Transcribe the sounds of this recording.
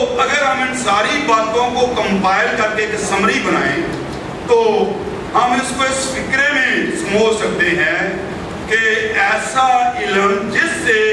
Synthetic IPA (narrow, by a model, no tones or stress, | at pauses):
əɡəɾɦəmɪnsaːɾiːbaːt̪õːkoːkəmpaːɪlkəɾkeːksəmɾiːbənaːẽː | t̪oː | ɦəmɪskoɪspʰɪkɾeːmẽːsəmoːsək̚d̪eːɦɛ̃ː | keɛːsaːɪləɾnd͡ʒɪsːeː